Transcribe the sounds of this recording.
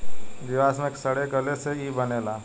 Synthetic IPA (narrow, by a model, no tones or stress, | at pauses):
d̪ɪʋaːsmẽksəɽeɡəleseibəneːlaː